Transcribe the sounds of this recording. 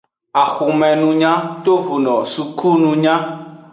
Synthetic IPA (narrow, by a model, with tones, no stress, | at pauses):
a˨xu˨mɛ̃˨nũ˨ɲã˦t̪o˦vu˨nɔ̃˨su˨ku˦nũ˨ɲã˦